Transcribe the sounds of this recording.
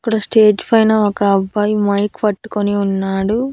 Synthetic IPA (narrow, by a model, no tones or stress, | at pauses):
ɐkːɐɽɐsʈe̞ːd͡ʒpɐjnɐɔkɐːbːɐjmɐjkpɐʈːu̥koniunːaːɽu